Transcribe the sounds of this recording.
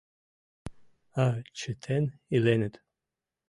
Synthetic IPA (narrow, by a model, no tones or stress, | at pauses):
at͡ʃʰɨtʰenilenɨt̪ʼ